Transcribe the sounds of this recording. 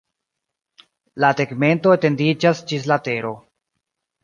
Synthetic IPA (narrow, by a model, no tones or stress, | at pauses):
lateɡme̞ntoete̞ndid͡ʒasd͡ʒis̬late̞ɾo̞